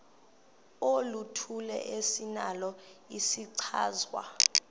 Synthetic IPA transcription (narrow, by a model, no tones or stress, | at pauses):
olutʰulɛ̰ʔesinalɔisiǀʰa̰ːzwa̰